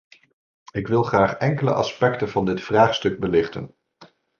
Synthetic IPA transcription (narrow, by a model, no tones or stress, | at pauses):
ɪkʋɪlˠχraːχɛŋkələ̰ʔɑ̰spɛktənv̥ɑndɪtfraːχstɵɡ̚bəlɪχtə̰n